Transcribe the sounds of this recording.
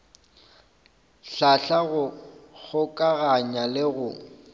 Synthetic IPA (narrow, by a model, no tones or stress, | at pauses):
ɬaɬaɣʊɣʊkʼaɣaɲalɪɣʊ